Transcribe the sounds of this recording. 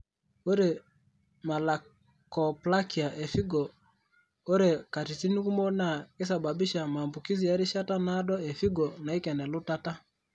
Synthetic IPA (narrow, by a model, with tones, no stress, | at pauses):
o˦ɾe˨ | ma˨la˨ | kɔ˨pla˦ki˨a˨ʔe˨fi˦ɡɔ˨ | o˦ɾe˨ka˨ti˨ti˦ni˦ku˦mɔ˦na˨ke˦s̬a˨ba˨bi˦ʃa˨ma˨mbu˨ki˦zi˨ja˦ɾi˦ʃa˦ta˦na˦dɔ˦e˨fi˦ɡɔ˨na˨i˦kɛ˨nɛ˨lʊ˦ta˦ta˦